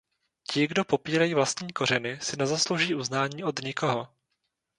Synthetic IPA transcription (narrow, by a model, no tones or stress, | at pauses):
cɪɡdo̞po̞piːɾajiːvlast̪ɲiːko̞ɾ̝ɛnɪsɪnɛzaslowʒiːʔuznaːɲiːʔo̞dɲɪko̞ɦo